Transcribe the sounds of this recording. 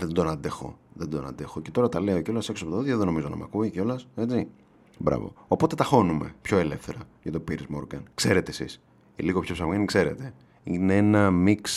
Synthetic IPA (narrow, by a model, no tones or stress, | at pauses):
ðed̪onɐd̪exo̞̰ðed̪onɐ̰nd̪e̞xoce̞̥t̪o̞ɾɐt̪ɐle̞oceo̞lɐseksopot̪ðiðjɐðeðeno̞mizonɐ̰mɐ̰kuiceo̞lɐse̞t͡si | bɾɐ̰vo̰opo̞t̪e̞t̪ɐxo̞nume̞̰pço̞e̞le̞fθe̞ɾɐʝɐt̪opiɾizmo̰ɾɡɐnkse̞ɾet̪eːsḭs | ḭliɣopçopsɐomenikse̞ɾe̞̰t̪e̞ | ineenɐmiks